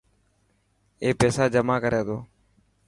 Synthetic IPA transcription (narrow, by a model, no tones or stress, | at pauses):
eːpeːsaːd͡ʒəmaːkəɾʔeːt̪oː